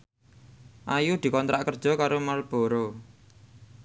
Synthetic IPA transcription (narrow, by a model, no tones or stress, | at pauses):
ʔajud̪̥i̤kɔnt̪ɾʔaʔkərd̥ʒ̥ɔ̤kaɾomalb̥o̤ɾo